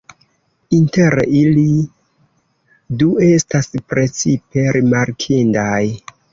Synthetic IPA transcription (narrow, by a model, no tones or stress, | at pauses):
inte̞ɾḛili | due̞staspɾe̞t͡sipe̞ɾimaɾkʰindaj